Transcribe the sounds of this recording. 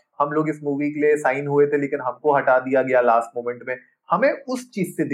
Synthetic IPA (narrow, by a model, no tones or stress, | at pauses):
hɐmloːɡɪsmuːʋikeliesaːɪnɦuet̪ʰeleːkɪnɦɐmkoɦɐʈad̪ijaɡɐjalaːsʈ̚mõːmɛ̃ɳʈmẽ | hɐmẽʊst͡ʃiːzsed̪ɪ